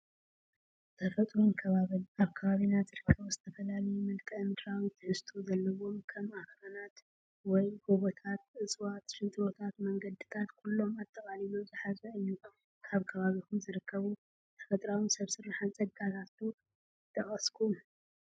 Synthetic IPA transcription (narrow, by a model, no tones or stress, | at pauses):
t̪ʰɐfɐt̪ʼɾunkʰɐβaβɨnaβkʰɐβaβinat̪zɨɾɨkʰːɐβuzɨt̪ʰɐfɐlalɐjumɨlkʼɨɨnd̪ɾawit̪ʰɨħɨst̪ʰuzɐlːɐwo̞mkʰɐmaxɾɐnat̪ | wɔjɡoβot̪ʰat̪̚ʔɨsʼwat̪ʃɨnt̪ʼɾo̞t̪ʰat̪mɐŋɡɐd̪ɨt̪ʰat̪kʰulːo̞mat̪ʰʼːɐkʼalilomzɨħazɐʔɨjːu | kʰaβkʰɐβaβikʰumzɨɾɨkʰːɐβu | t̪ʰɐ̥fɐt̪ʼɾawinsɐβsɨɾaħant͡sʼɐɡat̪ʰat̪ʰu | ɨt̪ʰːɐχʼɐskʰu